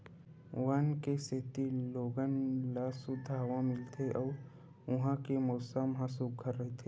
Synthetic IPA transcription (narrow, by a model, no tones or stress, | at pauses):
wankeset̪iloːɡənlasud̪ʱaːʋãmɪlt̪ʰeʔɔːɾ | ʊɦãkemɔːsəmɦãsub̚ɡʰʱəɾːəɦet̪ʰe